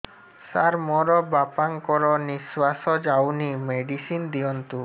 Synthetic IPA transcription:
saɾmɔɾɔbapaŋkɔɾɔniswasɔd͡ʒawnimeɖisind̪iɔnt̪u

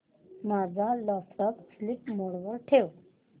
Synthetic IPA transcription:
mad͡zʱaləsʈəkslipmoɽʋəɾʈʰew

